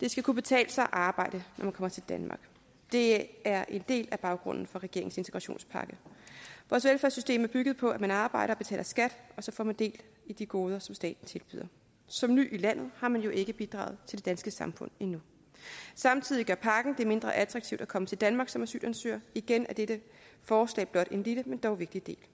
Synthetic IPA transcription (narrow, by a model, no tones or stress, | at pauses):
d̥e̝sɡ̥ækʰub̥e̝t͡sʰɛ̰ːləsɑʔɑ̈ːb̥ɑ̈ɪ̰d̥ənʔɒmænkʰɒ̽m̰ɐt͡sʰe̝ld̥ænmʔɑ̈ɡ̥ | d̥e̝æɐʔe̝nd̥e̝̰ːlæb̥ɑ̈ʊɡ̥ʁɔ̽n̰n̩fɒ̽ʁɛɡ̥e̝ɐeŋse̝nt͡sʰeɡ̥ʁɑ̈ɕo̝̰ːnspʰɑ̈ɡ̥əʋɒːsʋelfæɐsysd̥e̝̰ːmæɐb̥yɡ̥ð̩ˠpʰɒ̽æmænɑ̈ːb̥ɑ̈ɪ̰ɾɐ̽ːb̥e̝t͡sʰɛ̰ːlɐsɡ̥æd̥ɒ̽sɒ̽fɒ̰mænd̥e̝̰ːl | æd̥iɡ̥o̝ːð̞ˠɐsɒ̽msd̥ɛ̰ːd̥n̩t͡sʰe̝lb̥y̰ːð̰ˠɐ | sɒ̽mny̰ʔilæn̰ð̩ˠhɑ̈mænjo̝ʔe̝ɡ̥əb̥id̥ʁɑ̰̈ːʊð̞̩ˠt͡sʰe̝l̥de̝d̥ænsɡ̥əsɑ̈mfɔ̽n̰inu | sɑ̈mt͡sʰið̞̰ˠiɡɶɐpʰɑ̈ɡ̥n̩d̥e̝ɐme̝nd̥ʁɐʔæt͡sʰʁɑ̈ɡ̥t͡sʰiʊd̥ækʰɒ̽mət͡sʰe̝ld̥ænmɑ̈ːɡ̥sɒ̽mæsy̰ːd̥ænsø̰ːɐiɡ̥enʔæɐd̥eɾ̥ə | fɒːslɛ̰ːb̥lɒ̽d̥e̝nliləmend̥ɒʊʋe̝ɡ̥̚d̥id̥e̝̰ːl